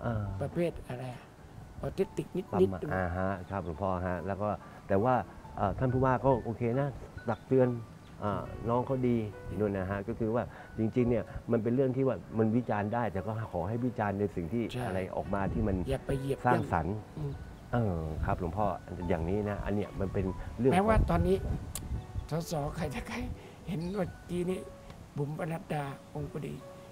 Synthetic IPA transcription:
ʔaː˨˧˩pa˧pʰeː˥˩t̪̚ʔa˧ɾa˧j | ʔɔ˧t̪e˦˥t̪ːi˨˩k̚ni˦˥t̪̚t̪ai˦ma˧ʔa˧ɦa˦˥kʰɾa˦˥˩p̚ɾu˩˦mpʰɔː˧˩ɦa˦˥ʔlɛː˦˥wkɔː˥˩ | t̪ɛː˨˩waː˥˩ | ʔɤː˨˩t̪ʰa˥˩npʰuː˥˩waː˥˩kɔː˥˩ʔoː˧kʰeː˧na˦˥t̪a˨˩k̚t̪ɯ˧ən | ʔəː˨˩ɔː˦˥˩ŋkʰa˥˩wdiː˧du˥˩əjna˦˥ɦa˦˥kɔː˥˩kʰɯː˧waː˥˩ | t͡ɕi˧ŋt͡ɕi˧ŋni˥˩ɐma˧np̬e˧nɾɯ˥˩ŋt̪ʰiː˥˩waː˥˩ma˧nwi˦˥t͡ɕaː˧ndaː˥˩jt̪ɛː˨˩kɔː˥˩kʰɔː˩˦ɦa˥˩jwi˦˥t͡ɕaː˧nːa˧jsi˨˩ŋt̪ʰiː˥˩ʔa˧ɾa˧jʔɔ̰ː˨˩k̚maː˧t̪ʰiː˥˩ma˧njaː˨˩k̚pa˧jji˨˩əsaː˥˩ŋsa̰˩˦nɯː˧˩ | ʔɤː˧˩kʰa˦˥p̚ɾu˩˦mpʰɔː˧˩jaː˨˩ŋniː˦˥na˦˥ʔa̰˧nːi˦˥˩ɐma˧npe˧nɾɯ˥˩˨mɛː˦˥waː˥˩t̪ɔː˧nːiː˦˥ | t̪ʰɔː˨˦sɔː˨˦kʰa˧˩jta˨˧˩kʰa˧˩j | he˨˦na˧˩kiː˧niː˦˥˩ | po˩˦mpa˧na˦˥t̪̚daː˧ʔo˧ŋkɔ˧dḭː˧

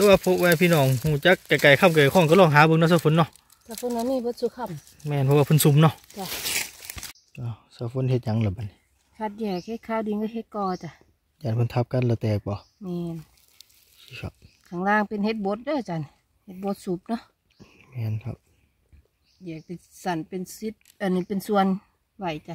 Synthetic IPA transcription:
t̪ʰɛ˧waː˧pʰo˧˥waː˧pʰiː˧˨nɔː˧˩ŋhuː˧˩t͡ɕa˧˦˥kːa˧˩ka˨˩jkʰa˧˨mka˨˩a˨˩kʰɔː˧˩˨ŋka˧˦lɔː˧˨ŋɦaː˨˦bɤ˧ŋna˧sa˧˨fʰo˧˦nːɔ˧ʔ | t̪ʰa˧fʰo˧˨na˧miː˧˨bo˧˦t̪̚su˧˦kʰa˧˨m | mɛː˧˨npʰɔ˧waː˧pʰɤ˧˨nsu˧˦mnɔ˧˨ʔt͡ɕa˧˩˨ | ʔa˧˩saː˧˩fo˧˥˨nhe˧t̪̚ɲa˨˦ŋla˧˩ba˨˦ni˧˦ | kʰa˧t̪̚jɛː˧˩k̚he˧t̪̚kʰaː˧˨wdi˧˨˦ŋka˧ɦe˧˦t̪̚kɔː˧˩˧t͡ɕa˧˨ | t͡ɕaː˨npʰɯ˧˨nt̪ʰa˧p̚ka˧˥˨nla˧˩t̪ɛː˧˩k̚k͡pɔ˧˦ | mɛː˧n | si˧˩kʰa̰˧p̚kʰaː˧˩˨ŋlaː˧˨ŋpe˨nhe˧˦t̪̚bo˧˥t̪̚dɔː˧˨t͡ɕa˧˨n | he˧t̪̚bo˧˦t̪̚su˧˦p̚nɔ˧˨ʔ | mɛː˧˨nkʰa̰˧p̚ | jɛː˧˩k̚t̪i˧sa˧˩˨npe˨nsi˧˦t̪̚ʔa˨nːi˧˨pe˨nsu˧ən | wa˧˩jt͡ɕa˧˨

